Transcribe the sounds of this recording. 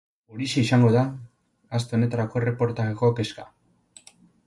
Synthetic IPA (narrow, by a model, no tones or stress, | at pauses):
uɾiseisaŋɡo̞ðaː | s̬t̪eo̞ne̞t̪aɾako̞e̞re̞po̞ɾt̪aɣeko̞ke̞ska